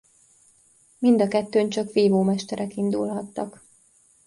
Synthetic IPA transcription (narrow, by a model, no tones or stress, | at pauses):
mind̪ɒkɛt̪ːøːnt͡ʃɒkʋeːvoːmɛʃt̪ɛɾʔɛkind̪ulɦɒt̪ːɒk